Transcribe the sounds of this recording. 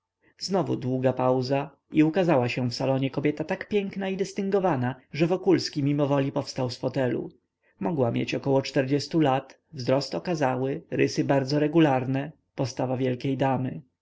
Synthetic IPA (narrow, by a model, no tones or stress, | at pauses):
znɔvṵd̪wuɡapawza | iukazawaɕɛ̃fsalɔɲɛkɔbʲjɛt̪at̪akpʲjɛŋknaid̪ɘst̪ɘŋɡɔvanaʐɛvɔkulskʲimʲimɔvɔlʲipɔfst̪awsfɔt̪ɛlṵ | mɔɡwamʲjḛt͡ɕɔkɔwɔt͡ʂt̪ɛɾd͡ʑɛst̪ulat̪ | vzɾɔst̪ɔkazawɘɾɘsɘbaɾd̪zɔɾɛɡulaɾnɛ | pɔst̪avavʲjɛlkʲejd̪amɘ̰